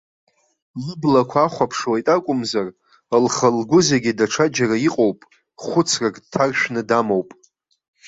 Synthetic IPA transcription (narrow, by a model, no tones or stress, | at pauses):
lɨblakʷʰaːχʷapʰʂwajtʼakʷʼʊmzar | alχalɡʷʊzeɡʲidaʈ͡ʂʰad͡ʒaraiqʼowpʼ | χʷʊt͡sʰrakʼtʰarʃᶣnɨdamowpʼ